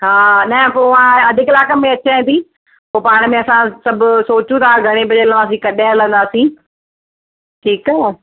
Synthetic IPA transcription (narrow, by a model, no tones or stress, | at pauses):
ɦaːnɐɦpoãɐd̪ʱɪkɪlaːkəmẽɐt͡ɕãnt̪ĩː | poːpaːɽ̃̆mẽɐsãsɐbʱʊsoːt͡ɕũt̪ʰaɡʱɐɽ̃ebɐd͡ʑelə̃nd̪aːs̬ĩkɐɗẽlə̃n̆d̪aːsĩː | ʈʰiːka